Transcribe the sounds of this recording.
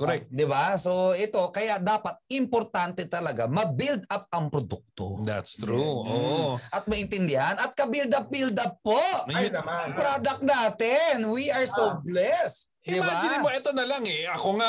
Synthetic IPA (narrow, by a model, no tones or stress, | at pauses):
koɾɛk̚t̪d̪ɪbaso̞ʔɛt̪o̞kɐjaʔd̪aːpɐt̪̚ɪmpoɾt̪ant̪ɛt̪ɐlɐɡamɐbild̪ʔap̚ɐŋpɾod̪uk̚t̪o̰d̪a̰t̪st̪ɾuoʔʔɐt̪̚mɐʔɪ̃nt̪ɪnd̪ɪhɐnʔɐt̪̚kɐbild̪ɐp̚bild̪ɐp̚ːoʔɐŋpɾoːd̪ɐk̚naːt̪ɛnwiʔɐɹsoblɛst̪d̪ɪwbɛd͡ʒɪnɪmoʔɛt̪onɐlaŋɛɐkoŋa